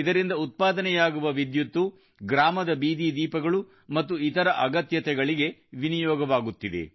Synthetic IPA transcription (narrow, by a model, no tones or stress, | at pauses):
id̪ɐɾind̪ɐut̪̚paːd̪ɐnɛjaːɡuʋɐʋid̪jut̪ːu | ɡɾaːmɐd̪ɐbiːd̪id̪iːpɐɡɐɭu | mɐt̪ːuit̪ɐɾɐʔɐɡɐt̪jɐt̪ɛɡɐɭiɡe̞ʋinijɔːɡɐʋaːɡut̪ːid̪e̞̰